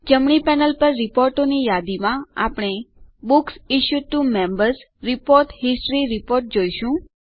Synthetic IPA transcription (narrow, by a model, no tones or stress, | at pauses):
d͡ʒəmɳ̃ipɛnəlpəɾːɪpoɾʈonijad̪imãa̰pɽ̃ebʊksiʃuʈumɛ̃mbəɾs | ɾɪpoɾʈɦɪsʈɾiɾɪpoɾʈ̚d͡ʒoiʃũ